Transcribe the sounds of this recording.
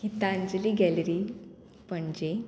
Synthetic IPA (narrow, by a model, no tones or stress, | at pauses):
kit̪aːɲd͡zliːɡɛləɾi | pəɳd͡ʑe